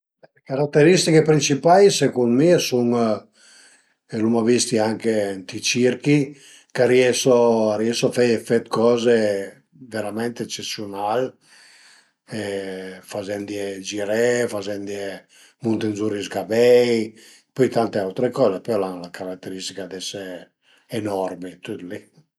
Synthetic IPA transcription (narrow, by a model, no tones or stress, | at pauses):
ekaɾat̪ːeɾist̪ikepɾint͡ʃipajsekund̪miasuŋ | elumavist̪iaŋkent̪it͡ʃiɾki | kaɾiɛsoaɾiɛsofɛjefet̪kɔːze | veɾamɛnt̪eɛt͡ʃesjonal | efazɛnd̪iɛd͡ʒiɾɛfazɛnd̪ie | munt̪enzuɾizɡabɛj | pɔjt̪ant̪eawt̪ɾekɔːzepɔlanlakaɾat̪ːeɾist̪ikad̪ɛse | enɔrmit̪ut̪li